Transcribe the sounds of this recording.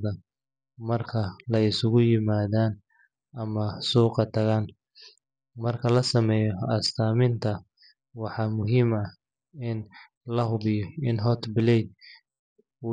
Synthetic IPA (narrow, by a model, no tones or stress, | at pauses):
ðɐ | mɐrkʰɐlɐɪsʊɣʊjɪmaːðaːn | ʔɐmɐsuːqɑt̪ʰɐɣaːn | mɐrkʰɐlɐsɐmɛːjɔɐst̪ʰaːmɪnt̪ʰɐ | wɑħɑːmʊɦiːmɐ | ɪn | lɐɦʊβɪjɔɪnɦɔt̪ʰbɪlɛjd̪̚ | uː